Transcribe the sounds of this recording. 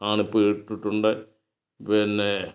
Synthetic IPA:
aːɳipːoʈːiʈːuɳɖɨ | penːe

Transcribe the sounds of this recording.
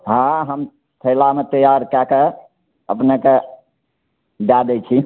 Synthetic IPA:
ɦãɦəm | t̪ʰəɪlamet̪əjaɾkake | ə̰pneke | ɖad̪et͡ʃʰi

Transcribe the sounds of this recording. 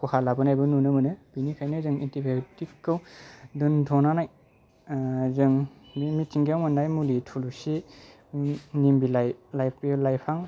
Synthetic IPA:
kʰuhalabɯnajbɯnunɯmɯnɯb̥inikʰajnɯzɯŋintibetikːɯwdɯntʰɔnanaj | zɯŋbimitʰiŋɡijawmɯnːajmulitʰulusi | nimbilajlajilajpʰaŋ

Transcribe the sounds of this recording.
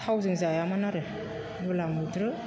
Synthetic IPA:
awzɯŋzajamanaɾe | ɾulamudɾɯ

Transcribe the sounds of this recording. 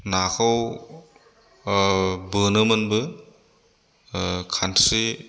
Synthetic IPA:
nakʰaw | bɯnɯmɯnbɯ | kʰantɾi

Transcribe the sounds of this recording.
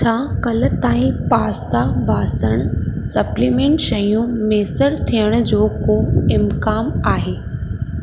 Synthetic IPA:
t͡ɕʰaːkɐlə̆t̪aːĩpaːst̪abʱaːsəɽ̃sɐpliːmẽːɳʈʃɐjũmeːsəɽt̪ʰijəɽ̃̆d͡ʑoːkoːɪmkaːmaːɦeː

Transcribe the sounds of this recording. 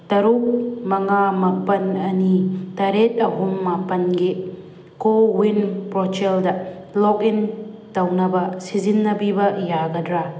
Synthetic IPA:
tɐɾuk̚mɐŋamapɐnɐnitɐɾet̚ɐɦumːapɐnɡi | kowinpɾɔt͡ʃeldɐ | lɔkin | tɐwnɐbɐsizinːɐbibɐjaɡɐdɾa

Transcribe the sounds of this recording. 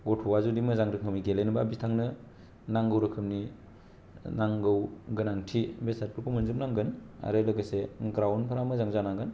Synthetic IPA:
ɡɔtʰɔwazudimɯzaŋɾɯkʰɯmniɡelenɯbabistʰaŋnɯ | naŋɡɯwɾɯkʰɯmni | naŋɡɯwɡɯnaŋtʰibesat̚pukʰumɯnzɯp̚naŋɡɯna̰ɾelɯɡɯseɡɾawnpʰɯɾamɯzaŋzanaŋɡɯn

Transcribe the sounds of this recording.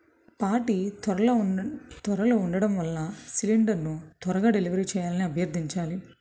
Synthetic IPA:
paːɾʈiːt̪ɐɾɐl | t̪ʋɐɾɐloːuɳɖɐɽɐmʋɐlːɐsiliɳɖɐɾnut̪ʋɐɾɐɡaːɖeliʋɐɾit͡ʃɛːjaːlɐniɐbʱjɐɾd̪ʱiɲt͡ʃaːli

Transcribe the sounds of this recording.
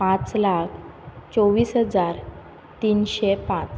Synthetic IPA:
pãt͡slakʰt͡soʋiːsɦəd͡zaɾ | t̪iːnɕepãt͡s

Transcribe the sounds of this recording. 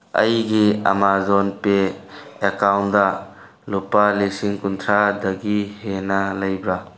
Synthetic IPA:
ɐ̰jɡiɐ̰mazɔnpeekawndɐ | lupalisiŋkunt̪ʰɾadɐɡihenɐlɐjbɾa

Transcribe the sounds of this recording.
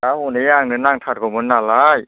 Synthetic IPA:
amunijaːŋnɯnːaːŋt̪ʰakɔmɯnːaːlaj

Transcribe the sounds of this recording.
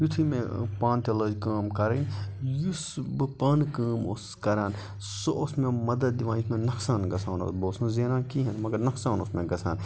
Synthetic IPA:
jut̪ʰimẽpãːnt̪ɐləːd͡ʒkaːmkɐɾejusbɨpaːnkaːmoskɐɾaːn | soʔosmẽmɐd̪ɐd̪̚d̪iʋãːnjusmẽnɐksaːnɡɐsʰaːno̰sboːsũnzeːnãːnkiːɦɐnmɐɡɐɾnɐksaːnosmẽɡɐsʰa̰ːn

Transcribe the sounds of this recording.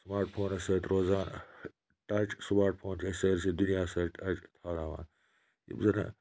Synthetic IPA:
smaːɾʈpʰoːnɐsɐːt̪ɾoːzaːn | ʈat͡ʃsmaːɾʈpʰoːnt͡ʃʰɐsɐːɾsid̪unijaːsɐɾʈɐt͡ʃt̪ʰaːnaːʋa̰ːn | jḭbzɐnɐ̰

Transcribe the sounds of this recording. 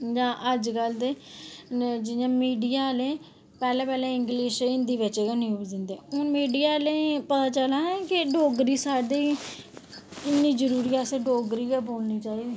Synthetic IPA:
d͡ʒãːʔəd͡ʒɡəld̪eː | d͡ʒɪjãːmiːɖijaːlẽː | pɛːlẽːpɛːlẽːɪ̃ŋɡlɪːʃɪnd̪iːʋɪt͡ʃeːkaniːuːd̪ɪ̃nd̪eːɦʊnmiːɖijaːlẽːpət̪aːt͡ʃəlaːɛkɪɖoːɡɾiːsaːɖiː | ɪnːiːd͡ʒəɾuːɾiːaseɖoːɡɾiːaboːlniːt͡ʃaːiːd̪iː

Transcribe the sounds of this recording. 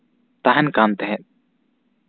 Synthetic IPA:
t̪aɦɛnkant̪ɛɦɛʔ̪̚

